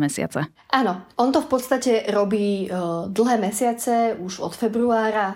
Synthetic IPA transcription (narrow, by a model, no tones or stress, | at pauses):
mɛsɪa̰t͡sɛ | ʔanɔʔɔnt̪ɔfpɔt̪st̪acɛɾɔbiːd̪l̩ˠɦɛːmɛsɪat͡sɛuʒɔ̰t̪fɛbɾuaːɾa